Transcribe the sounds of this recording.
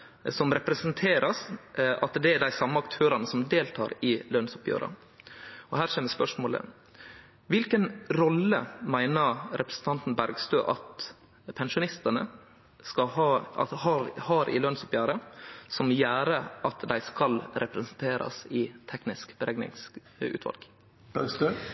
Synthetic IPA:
sɔmɾɛpɾɛsənt̪ʰeːɾʔɑsʔɑt̪d̪ɛæɖ̪æɪsɑmːəɑkt̪ʰøːɾɑnəsɔmd̪eːlt̪ʰɑ̰ːɾɪlœnsʊpjø̰ːɾɑ̰ | ɔhæːɾʂeːmɛspœʂmoːlə̰ | ʋɪlkənɾɔlːəmæɪnəɾʔɛpɾəsən̩t̪ɑnt̪n̩bæɾɡst̪øːʔɑt̪ | pʰɛnʂʊnɪst̪ənə̰ | skɑɑɑ̰hɑɾhɑɾʔɪ̰lœnsʊpjæːɾəsɔmjæːɾəʔɑt̪d̪æɪskɑlɾʔɛpɾɛsənt̪ʰeːɾʔɑ̰sɪt̪ʰɛknɪskb̥əɾɛɡnɪ̰ŋs | ʉ̰ːt̪ʰʋɑ̰lɡ̥ | b̥æɡst̪øː

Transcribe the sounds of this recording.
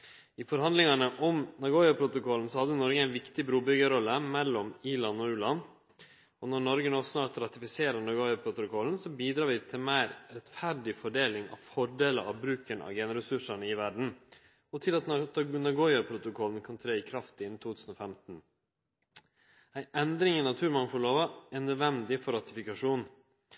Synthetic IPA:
ɪfɔɾhɑnd̪lɪŋɑnəʔɔmnɑɡoːjɑpʰɾʊt̪ʊkɔln̩sɔhɑd̪ːənɔɾɡəæɪnʋɪkt̪ɪbɾuːbʏɡəɾɔlːəmɛlːɔmiːlɑnːɔʉːlɑn | ɔnɔɾɳɔɾɡənɔsnɑːɾt̪ɾɑt̪ɪfɪseːɾənɑɡoʏɑpʰɾʊt̪ʊkʰɔln̩sɔbiːd̪ɾɑːɾʋɪt̪ʰɪlmæɪɾɾɛt̪fæɖɪfɔɖeːlɪŋɑ̰ʋfɔɖeːləɾʔɑ̰ʋbɾʉːkənɑ̰ʋɡeːnɾɛsʉʂəɳəɪʋæɖɳ̩ | ɔt̪ʰɪlɑt̪nt̪ɡnɑɡɔʏɑpʰɾʊt̪ʊkʰɔlnkʰɑnt̪ʰɾeːɪkʰɾɑft̪ɪnːt̪ʰuːt̪ʰʉːsn̩ɔːfɛmt̪n̩ | æɪʔɛnd̪ɾɪŋənɑt̪ʰʉːɾmɑŋfɔɭoːʋəɛnøːd̪ʋɛnd̪ɪfɔɾɑt̪ɪfɪkɑʂuːn

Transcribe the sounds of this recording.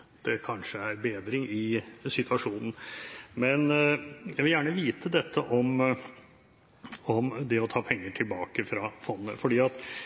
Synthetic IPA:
d̪̥ɛkʰɑnʂəæɾbeːd̪ɾɪŋɪsɪt̪ʉɑʂuːnn̩mɛnjæʋɪljæːɳəʋiːt̪ʰəd̪ɛt̪ʰːəʔɔm | ɔmd̪ɛɔt̪ʰɑːpʰɛŋːəʈʰɪlbɑːkəfɾɑfɔnːə̰fɔɖiːɑt̪

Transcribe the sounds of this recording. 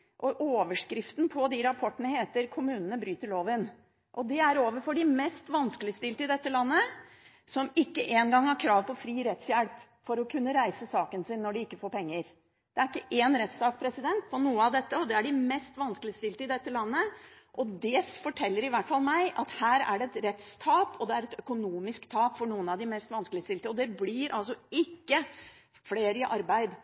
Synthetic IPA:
ʔɔʔoːʋəʂkɾɪft̪n̩pʰɔd̪iɾɑpʰɔʈːəɳəheːt̪əɾkʰʊmʉːnənəbɾyːt̪əɭoːʋɪn | ʔɔd̪ɛæɾoːʋəɾfɔɖɪmɛst̪ʋɑnskəlɪst̪ɪlt̪əɪd̪ɛt̪ːəlɑnːə | sɔmɪkːəʔeːnɡɑŋːhɑɾkʰɾɑːʋpɔfɾiːɾɛt̪sjælp | fɔɾɔkʰʉnːəɾæɪsəsɑːkənsɪnːɔɖɪɪkːəfoːɾpʰɛŋːəɾ | d̪̥ɛæɾɪkːəʔeːnɾɛt̪sɑːk̚pʰɾɛsɪd̪ɛnt̪fɔɳuːəɑʋd̪ɛt̪ːəɔd̪ɛæɖɪmɛst̪ʋɑnskəlɪəst̪ɪlt̪əɪd̪ɛt̪ːəlɑnːə | ʔɔd̪ɛfɔʈʰɛlːəɾɪʋæʈːfɑlmæɪʔɑt̪hæːɾæ̰ɖɛɛt̪ɾɛt̪st̪ʰɑːpɔd̪ɛæɾɛt̪œkʊnuːmɪskt̪ʰɑːpfɔɳuːənɑʋd̪ɪmɛst̪ʋɑnskəlɪəst̪ɪlt̪əɔd̪ɛblɪɾʔɑ̰lsɔɪkːə | fleːɾɪʔɑɾbæɪd̪

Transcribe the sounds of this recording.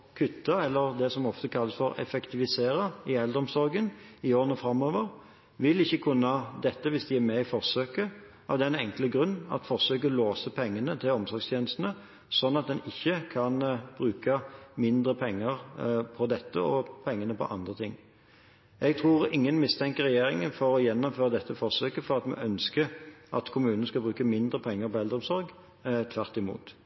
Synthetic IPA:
kʰʉt̪ːɑɛlːəʁd̪ɛsɔmɔft̪əkʰɑlːəsfɔɾɛ̰fɛkt̪ʰɪʋɪseːɾəɪɛld̪əɾɔmsɔɾɡənɪoːɾʁənɔfɾɑmːoːʋəʁ | ʋɪlɪçːəkʰʉnːɑd̪ɛt̪ːəʋɪsd̪ɪæɾmɛɪfɔʁsøːkə | ʔɑ̰ʋd̪ɛːɛnɛŋkləɡɾʉnːɑ̰t̪fɔʁsøːkəɔloːsəpʰɛŋːənət̪ʰɪlɔmsɔɾɡst̪jeːnəst̪nə | sɔnːɑt̪̚d̪ɛnɪçːəkʰɑnb̥ʁʉːkəmɪnd̪ʁəpʰɛŋːəʁpʰɔd̪ɛt̪ːə̰ɔpʰɛŋːənəpʰɔ̰ʔɑnd̪ʁət̪ʰɪŋː | ɛɡt̪ʰʁuːʁɪŋːənmɪst̪ʰɛŋkəɾɛjeːɾɪŋənfɔɾɔjɛnːɔmføːɾəd̪ɛt̪ːəfɔʁsøːkəfɔʁɑt̪mɛ̰ʔœnskəʔɑ̰t̪kʰʊmʉːnənəskɑbɾʉːkəmɪnd̪ʁəpʰɛŋːəɾpɔɛld̪ɾɔmsɔɾɡ | t̪ʰʋæʁt̪ɪmṵːt̪

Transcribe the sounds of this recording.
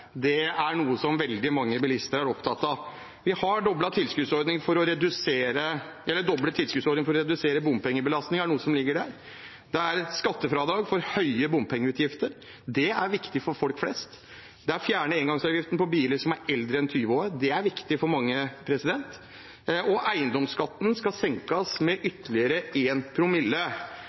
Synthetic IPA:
d̪ɛæɾɳuːəsɔmʋɛld̪ɪmɑŋːəbɪlɪst̪əɾæɾɔpt̪ʰɑt̪ːɑ | ʋɪhɑɖɔblɑt̪ʰɪlskʉːt̪sɔɾd̪nɪŋfɔɾɔɾɛd̪ʉseːɾə | ɛlːəɖɔblət̪ʰɪlskʉːt̪sɔɾɖ̪nɪŋfɔɾɔɾɛd̪ʉseːɾəbʊmpɛŋːəbəlɑst̪nɪŋæɳuːəsɔmlɪɡːəɖæɾ | d̪ɛæɾskɑt̪ːəfɾɑd̪ɑːɡfɔɾhœʏəbʊmpʰɛŋːəʉːt̪jɪft̪əɾ | d̪ɛæɾʋɪkt̪ɪfɔɾfɔlkflɛ̰st̪ | d̪ɛæɾfjæːɳəeːŋɡɑŋsɑːʋjɪft̪ənəpʰɔbiːləɾʂɔmæɾɛld̪ɾəɛnt̪ʰyːʋoəd̪ɛæɾʋɪkt̪ɪfɔɾmɑŋːəpʰɾɛsɪd̪ɛnt̪ | ʔɔʔæɪənd̪ɔmskɑt̪ːən̩skɑsɛŋkɑsmɛʔʏt̪ːəlɪəɾəeːnpʰɾʊmɪlːə

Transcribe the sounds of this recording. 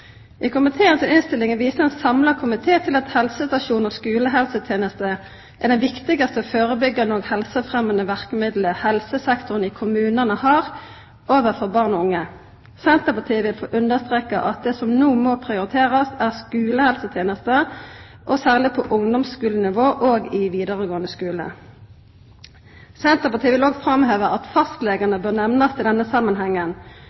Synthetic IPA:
ʔɪkʰʊmɪt̪ʰeːənsɔɪnst̪ɪlɪŋənʋiːsəɛnsɑmlɑkʰʊmɪt̪ʰeːt̪ʰɪlɑt̪hɛlsəst̪ɑʃuːnɔskʉːləɦɛlsət̪ʰjeːnəst̪ə | ʔæd̪ɛnʋɪkt̪ɪɡɑst̪əɔføːʁəbʏɡənoːɡhɛlsəfʁɛmənəʋæʁkəmɪd̪ləhɛlsəsɛkt̪ʊʁnɪkʰʊmʉːnənəhɑːʁ | oːʋəʁfɔʁbɑʁnɔʊŋːə | sɛnt̪əpɑt̪ʰiːʋɪlfoːʔʉnd̪əʁst̪ʁeːkɑʔɑt̪̚d̪ɛsɔmnuːmoːpʰʁɪʊʁɪt̪ʰeːʁɑsæːʁskʉːləhɛlsət̪ʰjeːnəst̪ə | ʔɔsæːʁlɪpʰɔʔʊŋd̪ɔmsskʉːlənɪʋoːʔoːɡɪʋiːd̪əʁəɡoːənd̪əskʉːlə̰ | sɛnt̪əpɑt̪ʰiːʋɪloːɡfʁɑmheːʋəɑt̪fɑst̪leːɡənəbøːʁnɛʋnɑst̪ʰɪld̪ɛnːəsɑmːənɦɛŋːən

